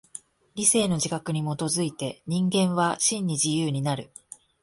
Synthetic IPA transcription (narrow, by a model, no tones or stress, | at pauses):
ɾʲise̞ːno̞ʑikakɯ̟ɲ̟imo̞t̪o̞zɨit̪e̞ɲ̟ĩŋɡẽ̞ɰ̃βaɕĩɲ̟ːiʑijɯːɲ̟inaɾɯ̟̰